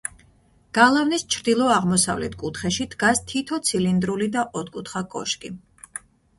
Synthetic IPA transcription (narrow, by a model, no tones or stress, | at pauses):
ɡ̥alˠavnist͡ʃʰɾd̪ilˠɔaʁmɔsa̰vlɛ̰t̪ʰkʼut̪ʰχɛʃid̪̥ɡast̪ʰit̪ʰɔt̪sʰilind̪ɾulid̪aʔɔt̪̚ʰkʼut̪ʰχakʼɔ̰ʃkʼi